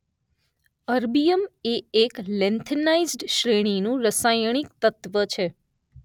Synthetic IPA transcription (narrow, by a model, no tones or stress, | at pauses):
əɾbijəmeeklɛnt̪ʰənaizɖʃɾeɽ̃inũɾəsajɳ̃ik̚t̪ət̪ʋət͡ʃʰe